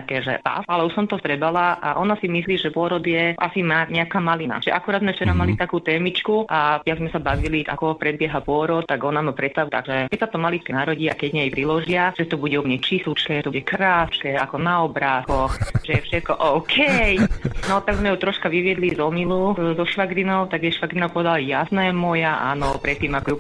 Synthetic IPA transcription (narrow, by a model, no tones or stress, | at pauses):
t̪akɛːʒɛ̰a̰alɛuʃsɔmt̪ɔt̪ɾɛbalaʔaʔɔnasimisliːʒɛpʊɔɾɔd̪jɛʔa̰simaɲɛakaːmalina̰ʒɛʔakuɾaːd̪zmɛft͡ʃɛɾamalit̪akuːt̪ɛːmit͡ʃkuʔajaɡzmɛsabaʋiliʔa̰kɔpɾɛbɪɛɦapʊɔɾɔt̪t̪ːaɡɔnamapɾɛt̪st̪aʋut̪a̰ɡʒɛkɛcsat̪ɔmalikɛnaɾɔɟiːakɛɟɲɛjpɾilɔʒɪaʒ̥ɛt̪ɔbuɟɛumɲɛt͡ʃisut͡ʃkɛːt̪ɔuɟɛkɾaːskɛːakɔnaɔbɾaːskɔxʒ̥ɛjɛfʃɛt̪̚kɔʔɔʊkʰɛjnɔt̪aɡzmɛjut̪ɾɔʃkaʋiʋɪɛd̪lizɔmiluzɔʃʋaɡɾinɔʊt̪aɡjɛʃʋaɡɾinapɔʋɛd̪alajasnɛmɔjaʔa̰nɔpɾɛt̪ːiːmakɔju